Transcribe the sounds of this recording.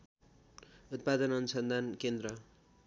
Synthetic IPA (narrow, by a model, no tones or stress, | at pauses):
ut̪̚pad̪ʌnʌnusʌnd̪ʱankend̪ɾʌ